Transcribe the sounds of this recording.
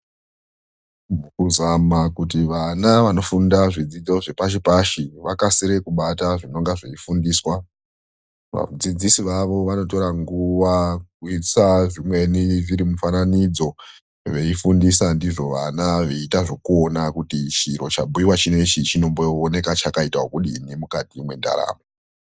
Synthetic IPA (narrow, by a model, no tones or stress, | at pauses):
mukuzamakutiʋanaʋano̞fundaʐid͡zid͡zo̞ʐepaʃ̬ipaʃiʋakasiɾe̞kuɓataʐino̞ŋɡaʐe̞ifundiːswa | ʋa̰d͡zid͡zisiʋaʋo̞ʋano̞to̞ɾaŋɡuwakuisaʐimwe̞niʐiɾimufananid͡zo̞ | ʋe̞ifundisandiʐo̞ʋanaʋeitaʐo̞kuonakutit͡ʃiɾo̞t͡ʃabuiwat͡ʃine̞t͡ʃit͡ʃino̞mboone̞kat͡ʃakaitaɦokuɗinimukatimwe̞nda̰ɾa̰ːmo